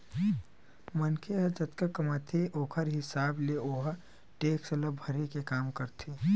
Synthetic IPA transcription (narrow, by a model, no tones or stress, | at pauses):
mɐnkʰeɦɐd͡ʒɐt̪kəkɐmaːt̪ʰeʔoːkʰəɾɦɪsaːbleoːɦ | ʈeːksɐləbʱɐɾekekaːmkɐɾt̪ʰiː